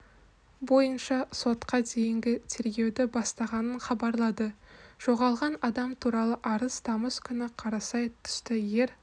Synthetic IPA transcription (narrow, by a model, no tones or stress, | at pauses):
bo̞jənʃɑso̞t̪qɑd̪e̞jɪŋɡʲɪt̪ʰe̞ɾɡʲe̞wd̪ɪbɑst̪ɑʁɑnəɴχɑbɑɾlˠɑd̪əʒ̥o̞ʁɑlˠʁɑnɑd̪ɑmt̪ʰuɾɑlˠəʔɑɾəzt̪ʰɑməzkʲʰʏnɪqʰɑɾɑsɑjt̪ʰʏ̥st̪ɪje̞ɾ